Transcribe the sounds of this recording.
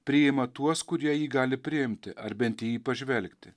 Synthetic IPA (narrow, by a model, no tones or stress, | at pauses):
pʲɾʲɪɪmɐt̪uɔskʊɾʲiɛjiːɡɑːlʲɪpʲɾʲɪɪmʲt̪ʲɪʔɐɾbʲɛnʲt̪ʲɪjiːpɐʒʲʋʲɛlʲkt̪ʲɪ